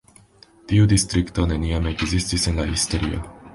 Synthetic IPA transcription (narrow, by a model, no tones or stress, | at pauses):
t̪iud̪ist̪ɾikt̪o̞neniameɡzistisenlahist̪o̞ɾio̰